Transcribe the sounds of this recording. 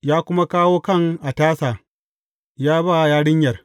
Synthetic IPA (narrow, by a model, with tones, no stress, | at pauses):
jaː˦kʷʊ˦ma˦kaː˦woː˦kɐ˦˨ŋʔa˨taː˦saː˨ | jaː˦baː˦˨jaː˦ɽɪ˦ɲjɐ˨r